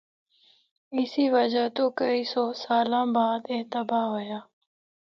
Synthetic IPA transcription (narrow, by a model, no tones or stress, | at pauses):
ɪsiːʋəd͡ʒaːt̪oːkəiːsɔːsaːlãːbaːd̪ɪt̪əbaːɦoːjaː